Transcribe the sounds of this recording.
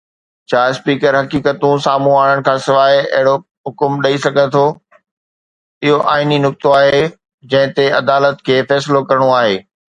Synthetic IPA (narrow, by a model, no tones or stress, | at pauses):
t͡ɕʰaːspiːkəɾɦɐkiːkət̪ũsaːmũaːɽ̃əɽ̃̆kʰãːsɪʋaːeɐ̰ɦɪɽo | ɦʊkʊmɗɐisɐɡʱə̃nt̪ʰo | ɪɦoʔaːininʊk̚t̪oaːɦe | d͡ʑɐ̃ɦɪ̃t̪eɐd̪aːlət̪kʰeːfɛːsɪlokɐɾəɽ̃oaːɦeː